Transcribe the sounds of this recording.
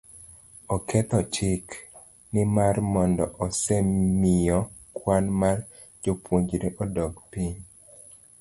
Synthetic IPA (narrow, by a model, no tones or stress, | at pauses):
ɔkʰɛt̪ɔt͡ʃɪk | nɪmarmɔndɔʔɔsɛmɪjɔkwanmar | d͡ʒopwoɲd͡ʒɾeʔɔdɔɡpiɲ